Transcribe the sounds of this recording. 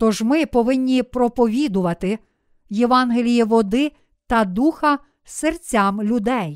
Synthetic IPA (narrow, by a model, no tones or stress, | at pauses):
t̪ɔʒmɪpɔʋɪnʲːipɾɔpɔʋʲid̪ʊʋɐt̪ɪ | jeʋɑnɦelʲijiʋɔd̪ɪ | t̪ɐd̪uxɐ | sert͡sʲamlʲʊd̪ɛj